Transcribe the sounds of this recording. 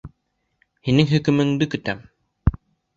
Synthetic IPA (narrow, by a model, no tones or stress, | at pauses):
hinɘŋɦɵ̆kɵ̆mɘ̆ŋd̪ɘkɵ̆t̪æm